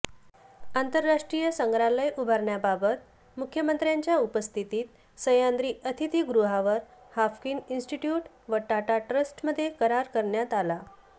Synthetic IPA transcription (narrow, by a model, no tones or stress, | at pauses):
ant̪əɾːaʂʈɾijəsəŋɡɾaləjʔubʱəɾɳjabʱabət̪̚ | mukʰjəmənt̪ɾjaɲt͡ɕjaupəst̪ʰit̪iːt̪̚ | səjand̪ɾiːʔət̪ʰit̪ʰiːɡɾuɦaʋəɾhafkininsʈiʈjuʈ | ʋəʈaʈaʈɾəsʈməd̪ʱːjekəɾaɾkəɾɳjat̪ala